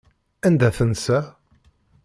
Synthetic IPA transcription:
ænd̪æθənsæ

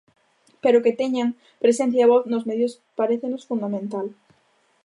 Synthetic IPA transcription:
peɾoket̪eɲaŋ | pɾesẽn̟θjaβoθnozmeðjos | paɾeθenosfũnd̪amẽnt̪al

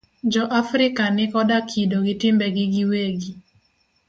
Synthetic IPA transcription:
d͡ʒɔʔafɾɪkanɪkɔdakʰidoɡɪtɪmbɛɡɪɡiweɡi

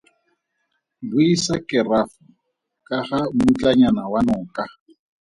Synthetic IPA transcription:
bʊisakʼɪrafʊ | kʼaχamʊt͡ɬʼaɲanawanɔːkʼa

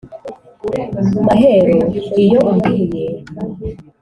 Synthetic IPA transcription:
maɦeɾoijoʔmbije

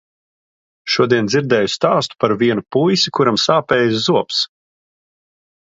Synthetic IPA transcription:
ʃuɔd̪iɛnd̪ziɾd̪ɛːjust̪aːst̪u̥paɾviɛnupujsikuɾamsaːpɛːjzzuɔps

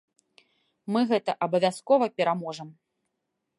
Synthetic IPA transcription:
mɨɣɛt̪ɐʔɐbɐvʲaskɔvɐpʲɛɾamɔʐɐm

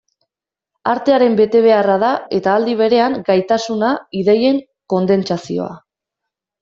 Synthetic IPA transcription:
aɾt̪e̞aɾe̞mbe̞t̪e̞β̞e̞arað̞ae̞t̪aːld̪iβ̞e̞ɾe̞aŋɡajt̪asunaiðe̞je̞ŋ | ko̞nd̪e̞nt͡ʃasio̞̰a̰

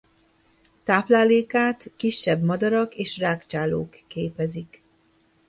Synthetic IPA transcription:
t̪aːplaːleːkaːt̪kiʃːɛbmɒd̪ɒɾɒkeːʃraːkt͡ʃaːlo̰ːkːeːpɛzik

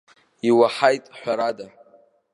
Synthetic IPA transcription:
iwaħajtʼħʷᶣaɾada

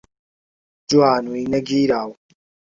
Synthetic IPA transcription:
d͡ʒuaːnuinɐɡiːɾaːw

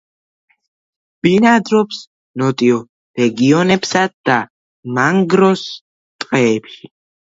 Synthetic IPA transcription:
b̥inad̪ɾɔps | nɔt̪ʼiɔ | ɾɛɡiɔnɛpsad̪̥a | maŋɡɾɔs | t̪ʼqʼɛːpʃi

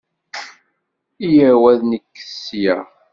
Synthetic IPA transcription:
ijəɾwæðnəkːə̥sːjæ

